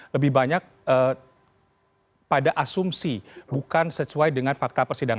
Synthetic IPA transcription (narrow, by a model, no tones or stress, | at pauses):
ləbɪhbaɲak̚ə | padaʔasumsibukansəsuajdəŋanfak̚t̪apərsidaŋ